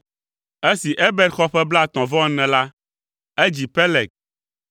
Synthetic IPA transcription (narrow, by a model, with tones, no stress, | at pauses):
e˦si˨ʔe˦bɛ˦d̪xɔ˦ɸɛ˦bla˦˨t̪ɔ̃˨vɔ˦nɛ̃˨la˦ | e˦d͡ʑi˨pɛ˦lɛ˨k̚